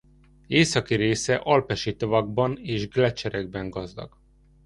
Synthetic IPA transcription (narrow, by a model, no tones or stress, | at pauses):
eːsɒkiɾeːsɛʔɒlpɛʃit̪ovɒɡ̚bɒneːʒɡlɛt͡ʃɛɾɛɡ̚bɛŋɡɒzd̪ɒ̰ɡ̥